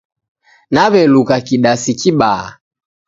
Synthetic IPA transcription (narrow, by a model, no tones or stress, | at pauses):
naβɛlukakiɗasikiɓaa̰